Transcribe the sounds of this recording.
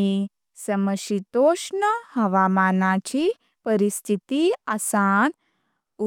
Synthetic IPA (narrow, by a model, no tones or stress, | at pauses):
i | sɐməʃit̪oːʃɳəhɐʋaːmaːnãt͡ɕi | pəɾist̪ʰit̪iasan | u